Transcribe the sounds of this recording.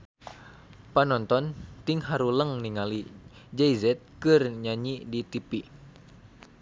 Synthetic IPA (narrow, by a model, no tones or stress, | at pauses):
panɔnt̪ɔnt̪iŋɦaɾuləŋniŋalid͡ʒɛizɛt̪̚kɨrɲaɲidit̪ipi